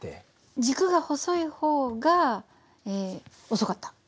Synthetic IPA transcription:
t̪e | d͡ʑikɯ̟ɡaho̞soiho̞ːɡa | eː | oso̞kat̪ːḁ

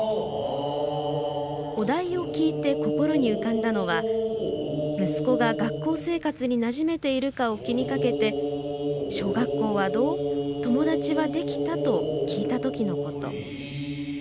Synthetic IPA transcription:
o̞d̪aio̞kʲiːt̪e̞ko̞ko̞ɾo̞ɲ̟iɯ̟kãnd̪ano̞βa | mɯ̟sɨ̥ko̞ɡaɡakːo̞ːse̞ːkat͡sɨɲ̟inaʑime̞t̪e̞iɾɯ̟kao̞kʲiɲ̟ikake̞t̪e̞ | ɕo̞ːɡakːo̞ːβad̪o̞ːt̪o̞mo̞d̪at͡ɕiβad̪e̞kʲi̥t̪at̪o̞kʲiːt̪at̪o̞kʲino̞ko̞t̪o̞̰

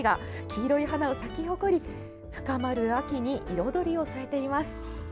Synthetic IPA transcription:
ɡakʲʰiːɾo̞iɦanao̞sakʲiɦo̞ko̞ɾʲi | ɸɯ̟̥kamaɾɯ̟akʲiɲ̟iʔiɾo̞d̪o̞ɾʲio̞saɾe̞t̪e̞imasɨ̥

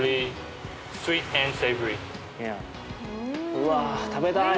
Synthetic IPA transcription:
li | swit̚ɛ̃nseɪvəɹi | ja | wat̪ʰabɛt̪a

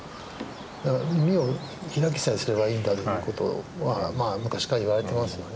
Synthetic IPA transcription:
d̪akaɾmʲimʲio̞ | çiɾak̬ʲi̥saisɨɾe̞βaiːnd̪at̪ojɯko̞t̪o̞̰βamaːmɯ̟kaɕi̥kaiβaɾe̞t̪e̞masɨjo̞ne

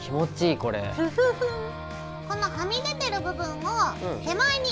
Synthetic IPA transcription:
kʲimo̞t͡ɕiːko̞ɾḛ | kõ̞nːakamʲiɡ̪e̞t̪e̞ɾɯ̟bɯ̟bɯ̟̃mːõhe̞maiɲ̟i

